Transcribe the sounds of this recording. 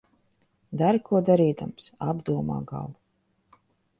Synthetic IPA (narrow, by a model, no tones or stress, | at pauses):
d̪aɾkʰuɔd̪aɾiːd̪amsabd̪uɔma̰ːɡa̰lˠvu